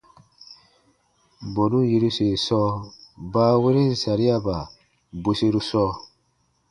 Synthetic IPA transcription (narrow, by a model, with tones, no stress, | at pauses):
bɔ˨nũ˦ji˧ɾu˦se˨sɔː˦baː˦we˦ɾe˦n̩˨sa˨ɾi˦a˦ba˨ | bu˧se˧ɾu˦sɔː˧˦